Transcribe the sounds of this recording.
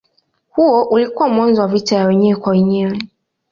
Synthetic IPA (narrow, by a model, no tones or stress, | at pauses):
huɔʔulikuwamwãnzɔwavitajawɛɲɛkʷwawɛɲɛɾɛ